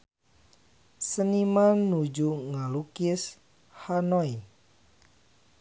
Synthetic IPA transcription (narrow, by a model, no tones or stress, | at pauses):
sənimanːud͡ʒuŋalukis | hanɔj